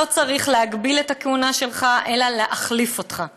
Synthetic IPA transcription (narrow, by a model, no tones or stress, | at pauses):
ot͡saʁiχleaɡbiletakeunaʃe̞lχaʔe̞laleʔaχlifo̞tχa